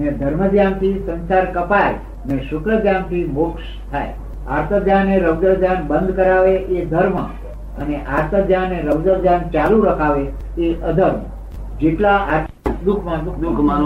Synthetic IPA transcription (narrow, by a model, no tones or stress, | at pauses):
ned̪ʱəɾməd͡ʒjant̪ʰisənsaɾkəpae | neʃʊkɾəɡjamt̪ʰimʊkʃ | t̪ʰae | a̰ɾt̪ʰəd͡ʒjaneɾəʋd͡ʒəd͡ʒanbənd̪ʱkəɾaʋeʔed̪ʱəɾmə | əneʔaɾt̪ʰəd͡ʒjaneɾəʋd͡ʒəd͡ʒjant͡ʃaluɾəkʰaʋe | eʔəd̪ʱəɾm | d͡ʒeʈlaa | d̪ukʰmãd̪ukʰ